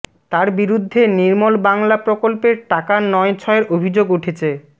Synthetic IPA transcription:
t̪aɾbiɾud̪ʱːeniɾmolbaŋlapɾokolpeɾʈakanɔet͡ɕʰɔeɾʔobʱid͡ʑoɡuʈʰet͡ɕʰe

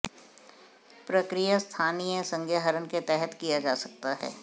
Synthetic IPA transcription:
pɾəkɾijast̪ʰaːniẽsə̃ŋɡʱjaɦəɾənket̪ɛɦət̪kijad͡ʒaːsɐk̚t̪aɦɛ̰ː

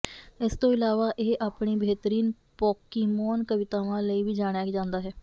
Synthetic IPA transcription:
ɪst̪õːɪlaːʋaːʔeːʔaːpɳiːbʱeːt̪əɾiːn | pɔːkɪmɔːnkəʋɪt̪aːʋãːləiːʋiːd͡ʒaːɽ̃jaːkd͡ʒãːnd̪aːɦɛː

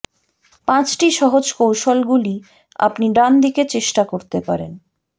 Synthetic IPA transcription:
pãt͡ɕʈiʃɔɦod͡ʑkowʃolɡuli | a̰pniɖand̪iket͡ɕeʃʈakoɾt̪epaɾen

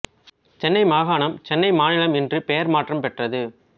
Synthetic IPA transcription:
t͡ʃɛnːɐɪmaːɣaːnɐmt͡ʃɛnːɐɪmaːnɪlɐmɛndrɯpɛjɐɾmaːʈrɐmpɛʈrɐðɯ

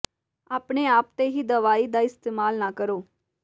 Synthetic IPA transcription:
aːpɳeːaːpt̪eːɦiːd̪əʋaːiːd̪aːɪst̪eːmaːlnaːkəɾoː

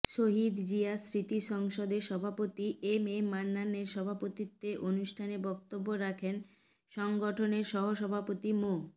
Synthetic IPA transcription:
ʃoɦid̪d͡ʑiasɾit̪iʃɔŋʃod̪eɾʃɔbʱapot̪iʔememanːanːeɾʃɔbʱapot̪it̪ːeʔonuʃʈʰanebɔk̚t̪obːoɾakʰen | ʃɔŋɡoʈʰoneɾʃɔɦoʃɔbʱapot̪imo

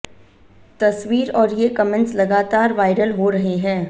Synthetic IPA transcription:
t̪ɐsʋiːɾɔːɾjekɐmə̃nslɐɡaːt̪aːɾʋaːɪɾəlɦoɾɐɦeɦɛ̃ː

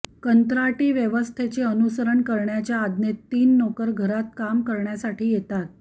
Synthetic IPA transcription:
kənt̪ɾaʈiːʋjeʋəst̪ʰet͡seənusəɾəɳkəɾɳjat͡ɕjaːd̪net̪ːiːnːokəɾɡʱəɾat̪̚kamkəɾɳjasaʈʰiːjet̪at̪̚

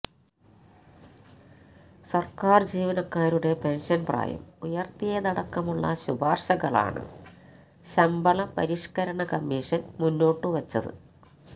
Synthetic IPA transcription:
sɐrkaːrd͡ʑiːʋɐnɐkːaːɾuɽe̞pe̞nʂɐnpra̰ːjɐ̰mujɐrt̪ijeːnɐɽɐkːɐmuɭːɐ̰ɕubʱaːrɕɐɣɐɭa̰ːɳɨ̰ | ɕɐmbɐɭɐpɐ̰ɾiʂkɐɾɐɳɐkɐmːiːʂɐnmunːoːʈːɨʋɐt͡ɕːɐðɨ̰

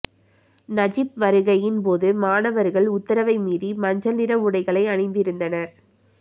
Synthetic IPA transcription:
nɐd͡ʒɪp̚ʋɐɾɯɣɐjɪnpoːðɯmaːnɐʋɐɾɣɐɭʊt̪ːɐɾɐʋɐɪmiːðimɐɲd͡ʒɐnɪɾɐmʊɽɐɪɣɐɭɐɪɐɳɪnd̪ɪɾɯnd̪ɐnɐɾ

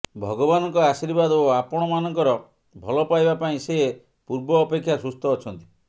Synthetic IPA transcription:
bʱɔɡɔbanɔŋkɔasiɾbad̪oapɔɽ̃ɔmanɔŋkɔɾɔ | bʱɔlɔpajbapaĩsee | puɾbɔːpekʰːjasust̪ɔːt͡ʃʰɔnt̪i̥

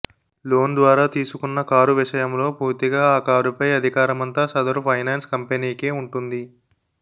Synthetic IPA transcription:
lo̞ːnd̪ʋaːɾaːt̪iːsukunːɐkaːɾuʋiʂɐjɐmlo̞ːpuːɾt̪iɡaːaːkaːɾupɐjɐd̪ʱikaːɾɐmɐnt̪aːsɐd̪ɐɾupʰɐjnaːnskɐmpeniːkeːuɳʈund̪i

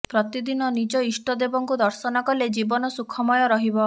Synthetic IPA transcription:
pɾɔt̪id̪inɔnid͡ʒɔisʈɔd̪ebɔŋkud̪ɔɾsɔnɔkɔled͡ʒibɔnɔsukʰɔmɔjɔɾɔɦibɔ

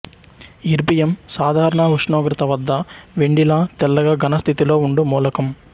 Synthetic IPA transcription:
iɾbijɐmsaːd̪ʱaːɾɐɳɐɦuʂɳoːɡɾɐt̪ɐʋɐd̪ːɐʋeɳɖilaːt̪ɛlːɐɡaːɡɐnɐst̪ʰit̪ilo̞ːuɳɖumuːlɐkɐm

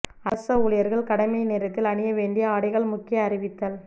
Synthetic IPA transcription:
ɐsɐʊɭɪjɐɾɣɐɭkɐɽɐmɐɪneːɾɐt̪ːɪlɐɳɪjɐʋeːɳɖɪjɐaːɽɪɣɐɭmʊkːɪjɐːɾɪʋɪt̪ːɐl

